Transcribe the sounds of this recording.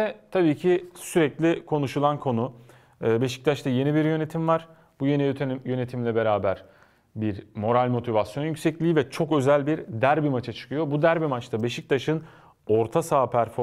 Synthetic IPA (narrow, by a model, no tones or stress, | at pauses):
ɛt̪ʰabiːcʰisyɾɛclʲikʰo̞nuʃulˠankʰo̞nu | ɯːbe̞ʃi̥c̚t̪ʰat͡ʃt̪aje̞nibiɾjø̞ne̞t̪ʰimvaɾ̥ | buje̞nijøt̪ʰejø̞ne̞t̪ʰimlʲɛbe̞ɾaːbæɾ | biɾmo̞ɾalʲmo̞t̪ʰivasjo̞njycʲsɛclʲiːvɛt͡ʃʰo̞kø̞zælʲbiɾd̪æɾbimat͡ʃʰat͡ʃʰɯ̥kʰɯjo̞bud̪æɾbimat͡ʃt̪ʰabe̞ʃic̚t̪ʰaʃɯn | o̞ɾt̪ʰasaːpʰæɾfo